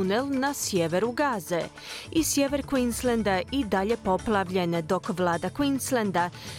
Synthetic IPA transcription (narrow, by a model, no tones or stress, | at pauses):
unelˠnasjeʋe̞ɾuɡaːze | isje̞ʋe̞ɾkʋinslend̪aid̪aʎe̞po̞plˠaʋʎe̞ned̪o̞kʋlˠaːd̪akwinslend̪a